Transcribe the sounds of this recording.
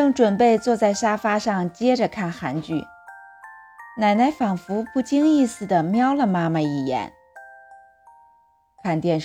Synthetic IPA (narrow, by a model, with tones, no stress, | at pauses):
ɤ˥˩ŋʈ͡ʂwə˨˩npe˥˧ɪt͡swɔ˥˧t͡sa˥˩ɪʂa˥fa˥ʂɑ˥˧ŋt͡ɕjɛ˥ʈ͡ʂə˨kʰa˥˩nxa˧˥nt͡ɕy̰˥˩ | na˨˩ɪna˧˥ɪfɑ˨˩ŋfu˧˥pu˥˩t͡ɕi˥ŋi˥˩sɹ̩˨˩d̪ə˩mjɑ˥ʊlə˨ma˥mə˨i˨˩jɛ̰˧˥n | kʰa˥˧nt̪jɛ˥˧n